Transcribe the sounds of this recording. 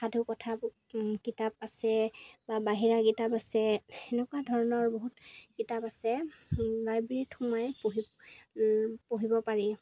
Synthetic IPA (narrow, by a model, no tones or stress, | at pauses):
xadʱukɔtʰa | kitap̚asɛbabaɦiɹakitapasɛɛnɛkwadʱɔɹɔnɔɹboɦutkitapasɛɹajbɹitʰumajpoɦi | poɦibɔpaɹi